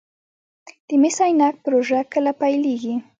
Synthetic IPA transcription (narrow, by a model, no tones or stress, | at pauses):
t̪ɪmɪsajnak̚pɾʊʐakalapajlɪkɪ